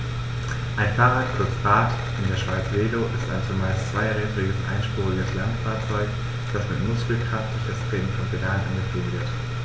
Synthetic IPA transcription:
ʔaɪnfaːʁaːtkʰʊɐt͡sb̥aːt | ʔɪndeːɐʃv̥aɪt͡sveːdoʔɪstaɪnt͡suːɐmaɪst͡sv̥aɪʁɛːdʁɪɡəsʔa̰ɪnʃpuːʁɪɡəslantfaːɐt͡sɔʏk | d̥asmɪtmʊskl̩kʁ̥aft̚d̥ʊç̥ɛstʁ̥eːdn̩fɔnpʰedaːlnʔa̰nɡəfɪɡət

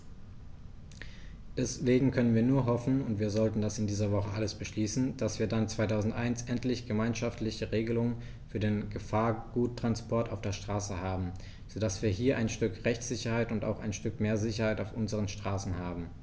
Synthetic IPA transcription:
d̥ɛsv̥eːɡŋ̩kʰœnənviːɐnuːɐɦɔfn̩ʊntv̥iːɐzɔltn̩dasɪndiːzɐvɔχəʔaləsb̥əʃliːsn̩d̥asv̥iːɐdant͡sv̥aɪtʰaʊzn̩tʔaɪnsʔɛntlɪçɡ̥əmaɪnʃaftlɪçəʁeːɡəlʊŋən | fyːɐdeːnɡəfaːɐɡ̥uːtːʁ̥anspʰɔɐtaʊfd̥eːɐʃtʁ̥aːsəhaːbm̩ | z̥oːdasv̥iːɐɦiːɐʔaɪnʃtʏkʁɛçt͡sz̥ɪçɐhaɪtʊnta̰ʊxaɪnʃtʏkmeːɐzɪçɐhaɪtaʊfʔʊnzəʁ̞ənʃtʁ̥aːsn̩haːbm̩

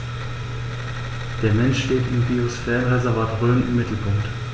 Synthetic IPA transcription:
d̥eːɐmɛnʃʃteːtɪmbiosfɛːʁənʁɛzɛɐvaːɐtʁøːmənʔɪmːɪtʰl̩pʰʊŋkt

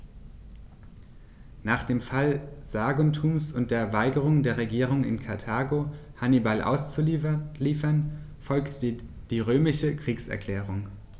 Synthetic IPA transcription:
naːχd̥eːmfalz̥aːɡontʰuːmsʊnt̚d̥eːɐvaɪɡəʁ̞ʊŋdeːɐʁ̞eɡiːʁ̞ʊŋɪ̰nkʰaɐtʰaːɡohanibalʔa̰ʊst͡suliːfɐn | fɔlkt | d̥iːʁøːmɪʃəkʁ̥iːksɛ̰ɐkʰl̥ɛːʁ̞ʊŋ

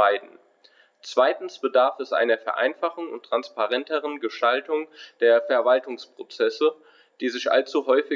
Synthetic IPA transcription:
aɪdn̩ | t͡sv̥aɪtn̩sb̥ədaɐfɛsʔa̰ɪnɐfɛɐʔa̰ɪnfaχʊn̩ʊ̰ntʁ̥anspaʁɛntəʁ̞ənɡəʃtaltʊŋd̥eːɐfɛɐvaltʊŋspʁ̥ot͡sɛsə | d̥iːzɪçʔa̰lt͡suɦɔʏfɪ

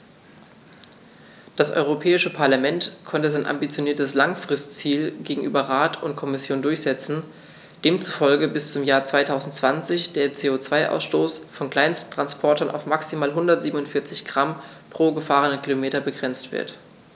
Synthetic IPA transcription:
d̥asʔɔ̰ʏʁopʰɛːɪʃəpʰaɐlamɛntkʰɔntəzaɪnʔa̰mbit͡sjoniːɐtəslaŋfʁ̥ɪstt͡siːlɡeːɡŋ̩ʔyːbɐʁaːtʰʊntkʰɔmɪsjoːndʊɐçz̥ɛt͡sn̩ | d̥eːmt͡su̥fɔlɡəbɪst͡sʊmjaːɐt͡sv̥aɪtʰaʊzn̩tt͡sv̥ant͡sɪçd̥eːɐt͡seːot͡sv̥aɪʔa̰ʊsʃtoːsfɔnkl̥aɪnsttʰʁ̥anspʰɔɐtɐnʔa̰ʊfmaksimaːlɦʊndɐtz̥iːbmnʊntfɪɐt͡sɪçɡ̥ʁampʁ̥oːɡəfaːʁ̞ənənkʰilomeːtɐbəɡʁɛnt͡stv̥ɪ̰ɐt

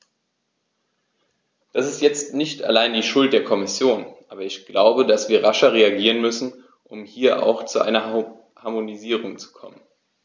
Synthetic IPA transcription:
d̥asɪstjɛt͡stnɪçta̰laɪndiːʃʊlt̚d̥eːɐkʰɔmɪsjoːnʔaːbɐɪçɡ̥laʊbədasv̥iːɐʁaʃɐʁeaɡiːʁənmʏsn̩ | ʔʊmhiːɐʔa̰ʊxt͡suʔa̰ɪnɐ | haɐmoniziːʁ̞ʊŋt͡su̥kʰɔ̰mən

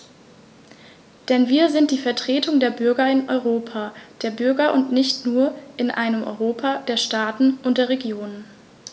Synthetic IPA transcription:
d̥ɛnviːɐzɪnt̚d̥iːfɛɐtʁ̥eːtʰʊŋdeːɐbʏɐɡɐɪnʔɔʏʁoːpʰad̥eːɐbʏɐɡɐʔʊntnɪçtnuːɐʔɪnʔa̰ɪnəmʔɔ̰ʏʁoːpʰad̥eːɐʃtaːtn̩ʔʊnt̚d̥eːɐʁeɡjoːnən

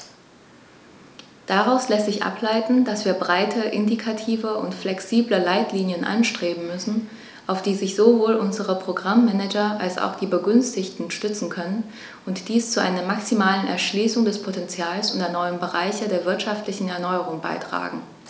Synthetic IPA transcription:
d̥aʁaʊslɛstz̥ɪçʔa̰plaɪtn̩d̥asv̥iːɐbʁaɪtʰəʔɪndikʰatʰiːvəʔʊ̰ntflɛksiːbləlaɪtliːnjənʔa̰nʃtʁ̥eːbm̩mʏsn̩ | ʔaʊfd̥iːzɪçz̥ovoːlʔʊnzəʁəpʁ̥oɡʁamːɛnɛd͡ʒɐʔa̰lsa̰ʊxd̥iːbəɡʏnstɪçtn̩ʃtʏt͡sn̩kʰœnən | ʔʊntd̥iːst͡suʔa̰ɪnɐmaksimaːlənɛ̰ɐʃliːsʊŋdɛspʰotɛnt͡sjaːlsʔʊntɐnɔʏənbəʁaɪçədeːɐvɪɐtʃaftlɪçn̩ɛɐnɔʏəʁʊŋba̰ɪtʁ̥a̰ːɡŋ̩

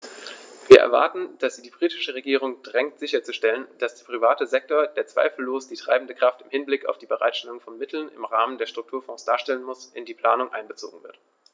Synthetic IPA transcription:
viːɐʔɛ̰ɐva̰ɐtn̩d̥asz̥iːdiːbʁiːtɪ̥ʃəʁ̞eɡiːʁ̞ʊŋd̥ʁɛŋtz̥ɪçɐt͡suʃtɛlənd̥asd̥eːɐpʁ̥ivaːtəzɛk̚toːɐdeːɐt͡sv̥a̰ɪfl̩loːsd̥iːtʁ̥a̰ɪbn̩dəkʁ̥aftɪmhɪnblɪka̰ʊfd̥iːbəʁa̰ɪtʃtɛlʊŋfɔnmɪtʰl̩nɪ̰mʁaːməndeːɐʃtʁ̥ʊk̚tʰuːɐfɔ̃ːsd̥aːɐʃtɛlənmʊsʔɪndiːpʰl̥aːnʊŋʔa̰ɪnbət͡so̰ːɡŋ̩vɪɐt

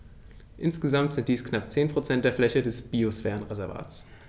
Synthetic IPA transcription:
ʔɪnsɡ̥əzamtz̥ɪnt̚d̥iːsknap̚t͡seːnpʁ̥ot͡sɛnt̚d̥eːɐflɛçədɛsb̥iosfɛːʁənʁezɛɐva̰ːtt͡s

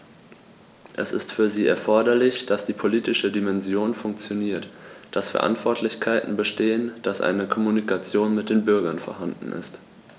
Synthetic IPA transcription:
ʔɛsɪ̰stfyːɐziːʔɛɐfɔɐdɐlɪçd̥asd̥iːpʰoliːtɪʃədimɛnzjoːnfʊŋk̚t͡sjoniːɐtd̥asfɛɐʔa̰ntv̥ɔɐtʰlɪçkʰaɪtn̩bəʃteːənd̥asʔa̰ɪnəkʰɔmunikʰat͡sjoːnmɪt̚d̥eːnbʏɐɡɐnfɔɐɦandn̩ʔɪ̰st

